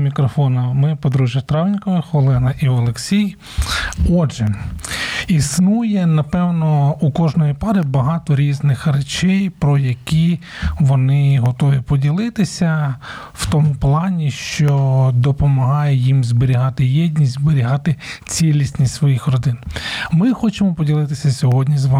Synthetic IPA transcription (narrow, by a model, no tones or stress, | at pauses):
mʲikɾɔfɔnɐmɪpɔd̪ɾuʒjɐt̪ɾɑʋnʲkɔʋɪxɔlˠɛnɐʔiɔlˠeksʲij | ɔdʒɛ | isnujɛnɐpɛwnɔukɔʒnɔjipɑɾɪbɐɦɑt̪ɔɾʲiznɪxret͡ʃɛjpɾɔjɐkʲi | ʋɔnɪɦɔt̪ɔʋʲipɔdʲilˠɪt̪ɪsʲɐ | wt̪ɔmuplˠɑnʲiʃt͡ʃɔd̪ɔpɔmɐɦɑjɛjimzbeɾʲiɦɑt̪ɪjɛdʲnʲizbeɾʲiɦɑt̪ɪt͡sʲilʲisʲnʲitʲsʋɔjixrɔd̪ɪnmɪxɔt͡ʃɪmɔpɔdʲilˠɪt̪ɪsʲɐsʲɔɦɔdʲnʲizʋɑ